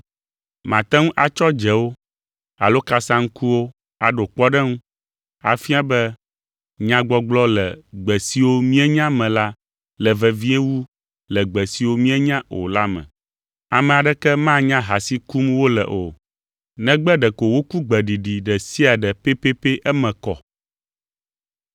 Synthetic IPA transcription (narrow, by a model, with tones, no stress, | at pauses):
mã̰˨t̪ɛ˦ŋũ˦ʔa˨t͡ʃɔ˦d͡ʒɛ˨wo˦ | a̰˨lo˦ka˦sã˦ŋ̩˦ku˦wo˦ | a˨ɖo˨k͡pɔ˦ɖɛ˦ŋũ˦ | a̰˨fi˦a˦bɛ˦ | ɲã˦ɡ͡bɔ˦ɡ͡blɔ˦lɛ̰˨ɡ͡bɛ˨si˦wo˦mĩ˦ɛ˦ɲã˦mɛ̃˨la˦ | lɛ˨vɛ˨vi˦e˦wu˦ | lɛ˨ɡ͡bɛ˨si˨˦wo˦mĩ˦ɛ˦ɲã˦ʔo̰˨la˦mɛ̰̃˨ | a˨mɛ̃˨a˨ɖɛ˦kɛ˦mã˦ɲã˦ɦa˨si˦ku˦mwo˦lɛ̰˨ʔo˨ | nɛ̃˦ɡ͡bɛ˦ɖɛ˨ko˨wo˦ku˦ɡ͡bɛ˨ɖi˨ɖi˨ɖɛ˨si˦a˨ɖɛ˨pe˦pe˦pe˦ʔɛ˦mɛ̃˨kɔ̰˨